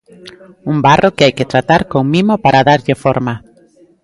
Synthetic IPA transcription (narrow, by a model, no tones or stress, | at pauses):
uŋbarʔokɪajkɪt̪ɾat̪aɾkoŋmimopaɾaðaɾʎɪfoɾma